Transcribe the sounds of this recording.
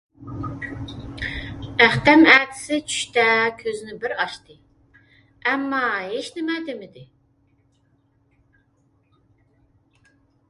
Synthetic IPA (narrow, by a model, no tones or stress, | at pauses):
æχt̪ɛmæːt̪ʰɪ̥sɪt͡ʃʰy̥ʃt̪ɛkʲʰøzɪnɪbɪɾɑʃt̪ɨ | ɛmːɑɦeʃnɪmɛd̪ɪmɪd̪ɪ